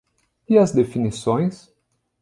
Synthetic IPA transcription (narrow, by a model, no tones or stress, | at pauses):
ɪɐzd̪efinisõj̃s